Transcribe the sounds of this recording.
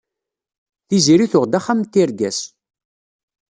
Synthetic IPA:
θiziɾiθʊʁd̪aχːamt̪ːiɾɡæs

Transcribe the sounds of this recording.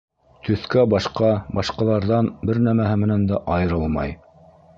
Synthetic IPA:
t̪ɵ̆θkæbɑʃqɑbɑʃqɑlˠɑɾðɑnbɘɾnæmæɦɘmɘ̆nænd̪æʔɑjɤ̆ɾɤlˠmɑ̰j

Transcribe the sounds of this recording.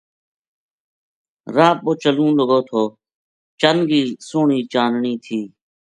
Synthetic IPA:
ɾaːp̚oːt͡ʃəlũːləɡoːt̪ʰoː | t͡ʃənɡiːsoːɳiːt͡ʃaːnɳiːt̪ʰiː

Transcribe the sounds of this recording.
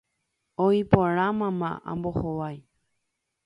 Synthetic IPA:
oipoɾãmãmã̰ã̰mbohoʋaj

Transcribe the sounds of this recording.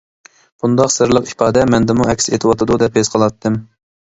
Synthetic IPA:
b̥und̪ɑqsɨɾlˠəqi̥pʰɑːd̪ɛmɛnd̪ɪmuɛkʲset̪ʰɨwɑt̪ʰɨd̪ud̪ɛphezqʰɑlˠɑt̪ʰːɨm

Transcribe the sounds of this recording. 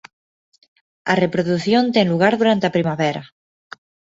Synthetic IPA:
a̰re̞pɾoðuθjo̞nt̪enluɣ̞aɾðuɾant̪eapɾimaβeɾa

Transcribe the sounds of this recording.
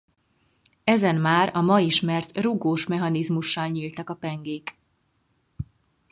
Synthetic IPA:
ɛzɛnmaːɾɒmɒiʃmɛrt̪ruɡoːʃmɛɦɒnizmuʃːɒlɲiːlt̪ɒkɒpɛŋɡeːk

